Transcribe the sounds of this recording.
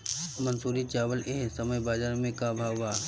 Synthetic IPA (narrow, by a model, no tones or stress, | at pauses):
mɐnsuːɾit͡ʃaːʋəleɦsɐməjbaːd͡ʒaːɾmẽkabʱaːʋaː